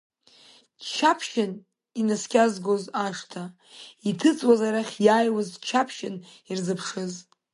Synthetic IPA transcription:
t͡ʃʰapʰʃɪn | inɨskʲʼazɡozaʂtʰa | itʰɨt͡sʼwazaɾaχʲjaːjwazt͡ʃʰapʰʃɪn | irzɨpʰʂɨz

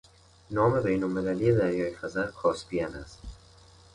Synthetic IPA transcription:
nɒːme̞be̞jnolme̞læliːje̞d̪æɾjɒːjfæzæɾkʰɒːspʰijænæ̰st̪

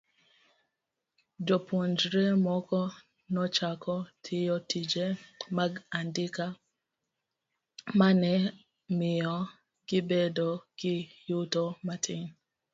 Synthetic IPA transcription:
d͡ʒɔpʰund͡ʒɾemɔkɔ | nɔt͡ʃakɔtʰɪjɔtid͡ʒemaɡandɪka | manɛ | mɪjɔ | ɡɪbedɔɡ̥ɪjutɔmatʰɪŋ

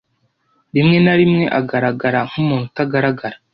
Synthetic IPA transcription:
ɾimŋe̞naɾimŋe̞ʔaɡaɾaɡaɾaŋ̥umuːnhutaɡaɾaɡaɾḁ

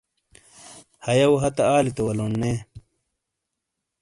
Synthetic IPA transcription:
hɐjɐwɦɐt̪ɐaːlit̪ɐwɐloːnːeː

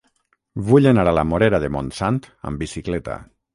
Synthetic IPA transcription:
βuʎenaɾalamoɾeɾaðemõnsant̪ə̰mbisiklet̪a̰

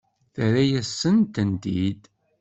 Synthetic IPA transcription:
θəɾæjæsːənt̪ənd̪id̪

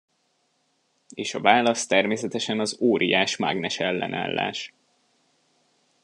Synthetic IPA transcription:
eːʃɒvaːlɒst̪ɛrmeːsɛt̪ɛʃɛnɒzoːɾʔijaːʃma̰ɡnɛʃɛlːɛ̰na̰ːlːa̰ːʃ

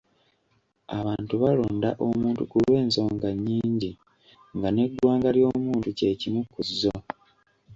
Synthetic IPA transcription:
aβaːntuβaloːnda̰ʔo̞muːntukulwe̞ːnso̞ːŋɡaɲːiːɲɟi | ŋɡane̞dwaːŋɡaljo̞ːmuːntuce̞ːcimukːuzːo

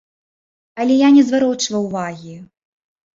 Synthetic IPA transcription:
ɐlʲɛjanʲɛzvaɾɔt͡ʂvɐwvaɣʲi

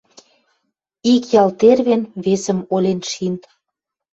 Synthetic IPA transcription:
ikjɑlt̪erβenβesə̆molʲenʃint̪

